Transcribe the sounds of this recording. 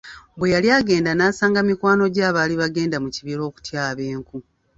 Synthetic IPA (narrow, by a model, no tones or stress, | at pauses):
bwe̞jaljaːɡe̞ːndanaːsaːŋɡamikwaːno̞ɟaːβaːliβaɡe̞ːndamuciβiɾo̞ːku̥tjaːβe̞ːŋku